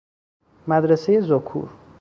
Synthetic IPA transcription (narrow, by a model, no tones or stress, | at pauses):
mæd̪ɾesejezokʰṵɾ